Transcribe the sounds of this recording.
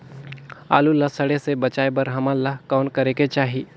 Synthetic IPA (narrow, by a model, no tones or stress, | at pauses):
a̰ːlulasɐɽesebət͡ʃaːebəɾɦɐmalːakaʊnkɐɾeket͡ʃaːɦi